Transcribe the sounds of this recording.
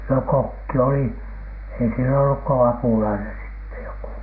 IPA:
no kokːi oli ei siel olːuk ko ɑpulɑinen sitːe joku

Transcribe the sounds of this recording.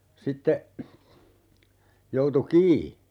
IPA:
sitːe joutu kiː

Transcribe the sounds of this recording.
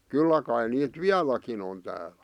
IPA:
kylːæ kɑi niːt ʋiælækin on tæːlæ̥

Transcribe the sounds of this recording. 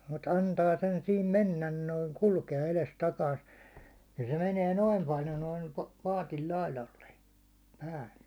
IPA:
mut ɑntɑː sen siːm menːæn noiŋ kulkeɑ elestɑkɑist nin se meniɛ noim pɑljo noim pɑːtil lɑilɑlːe pæːlːe

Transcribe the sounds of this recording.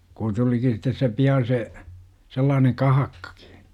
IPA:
kun tuliki sitˑes se piɑn̞ se selːɑːneŋ kɑhɑkːɑ̥ki̥

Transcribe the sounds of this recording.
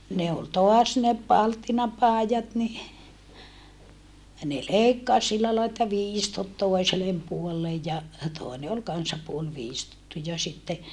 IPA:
ne ol toɑs ne pɑltːinɑpɑˑijɑt ni ne leikːɑs silːæ lɑi etːæ ʋiːstot toˑi̯selem puolːej jɑ toˑene ol kɑnsɑ puol ʋiːstotːu jɑ sitːe

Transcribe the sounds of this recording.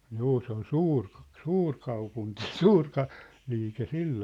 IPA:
juː se ol suːrk̆ suːrkɑupunti suːr kɑ liːke silːoː

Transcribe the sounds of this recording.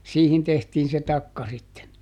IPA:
siːhin tehtiːn̞ se tɑkːɑ sitːen

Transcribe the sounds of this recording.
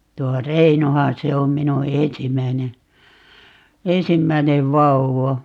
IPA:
tuo reinohɑn se om minu ensimːæine ensimːæineʋ ʋɑuwɑ

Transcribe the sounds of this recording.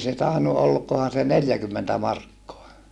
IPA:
se tɑˑenu olkohɑn̞ se neljækymːentæ mɑrkːoɑ

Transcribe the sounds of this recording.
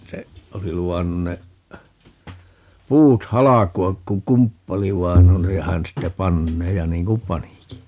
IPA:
se oli luɑnːun ne puːt hɑlɑkuɑk ku kumpːɑli ʋɑin on jɑ hæn ste pɑnːeː jɑ niːŋ kum pɑniki

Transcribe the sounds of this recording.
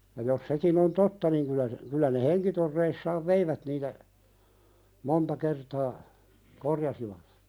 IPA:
jɑ jos sekin on totːɑ niŋ kylæ se kylæ ne heŋkitorːeisːɑːʋ ʋeiʋæt niːtæ montɑ kertɑː korjɑsiʋɑt

